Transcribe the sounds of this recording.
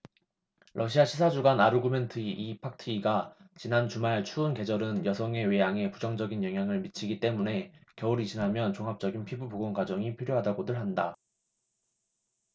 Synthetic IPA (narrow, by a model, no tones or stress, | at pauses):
ɾʔʌɕʰiaɕʰisʰad͡ʑuɡanaɾuɡume̞ntʰɯiʔipʰak̚tʰɯːɡat͡ɕinant͡ɕumaɭt͡ɕʰuːnke̞d͡ʑʌɾɯnjʌsʰʌŋe̞we̞jaŋe̞pud͡ʑʌŋd͡ʑʌɡinjʌŋɦjaŋɯɭmit͡ɕʰiɡit͈e̞mune̞kjʌuɾit͡ɕinɦamjʌnt͡ɕoŋɦap̚t͡ɕ͈ʌɡinpʰibɯboɡoŋɡad͡ʑʌŋipʰiɾjoɦadaɡodɯɭɦanda